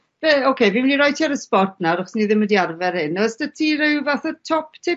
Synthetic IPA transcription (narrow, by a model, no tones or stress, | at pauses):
b̥eokʰejvimniɾɔj̚tʰiaɾəspɔrtʰnaɾɔχɔsniðɪmədiarvɛrhɪnɔsdətʰirɪwvaθatʰɔpʰtʰɪ